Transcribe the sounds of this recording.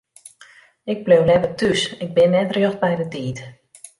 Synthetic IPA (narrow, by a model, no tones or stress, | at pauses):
ɪɡ̚blewlɛvətysɪɡ̚bɪnːɛtrjoxt̚bɛjdətiːt